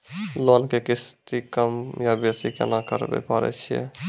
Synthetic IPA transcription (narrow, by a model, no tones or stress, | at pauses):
lonkekist̪ikəmjabesikḛnakəɾbḛpaɾɛ̰t͡ʃʰijɛ̰